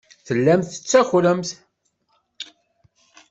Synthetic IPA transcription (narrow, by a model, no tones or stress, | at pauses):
θəlːæmθə̥t͡sːæxləmθ